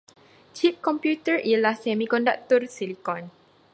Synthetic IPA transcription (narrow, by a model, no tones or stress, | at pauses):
t͡ʃip̚kɔmpjut̪əɹilasɛmikɔndak̚t̪ɔrsilikɔ̃n